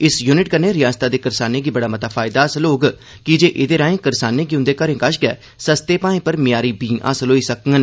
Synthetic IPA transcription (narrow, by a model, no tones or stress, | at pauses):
ɪsjuːnɪʈkəɾneːɾɪjaːst̪aːd̪eːkəɾsaːneːɡiːbəɽaːmət̪aːpʰaːɪd̪aːsəloːɡ | kɪd͡ʒeːʔɪd̪eːɾãːẽːkəɾsaːneːɡiːʊ̃nd̪eːkəɾẽːkəʃɡɛː | səst̪eːpãːẽpəɾmɪjaːɾiːbĩːʔa̰səloːiːsəkŋɡən